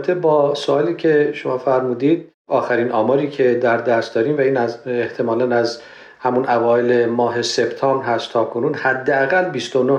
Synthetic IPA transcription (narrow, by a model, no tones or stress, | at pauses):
t̪ʰebɒːsoɒːliːcʰe̞ʃomɒːfæɾmuːd̪iːd̪̥̚ | ɒːxæɾiːnɒːmɒːɾiːcʰe̞d̪æɾd̪æst̪d̪ɒːɾiːmvæiːnæzeht̪ʰe̞mɒːlænæz | hæmunævɒːele̞mɒːɦe̞se̞bt̪ʰɒːmbɾɦæst̪t̪ʰːɒːkʰo̞nuːnhæd̪ːeæɣælːbiːst̪ono